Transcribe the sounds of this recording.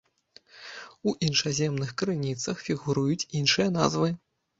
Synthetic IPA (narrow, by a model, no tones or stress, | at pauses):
uʔinʂazʲɛmnɨxkɾɨnʲit̪sɐxfʲiɣuɾujut͡sʲinʂɨjɐna̰zvɨ